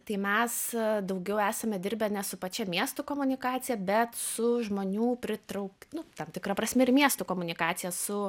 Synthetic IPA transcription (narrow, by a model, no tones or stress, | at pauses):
t̪ɐɪmʲɛsd̪ɐʊɡʲɛʊæːsɐmʲɛd̪ʲɪɾʲbʲɛnʲɛsʊpɐt͡ʃʲɛmʲiɛst̪ʊkoːmʊnʲɪkɑːt̪sʲɪjɛbʲɛt̪sʊʒmoːnʲuːpʲɾʲɪt̪ɾɐʊkʲnʊt̪ɐmt̪ʲɪkɾɐpɾɐsʲmʲɛɪrmʲiɛst̪ʊkoːmʊnʲɪkɑːt̪sʲɪjɛsʊ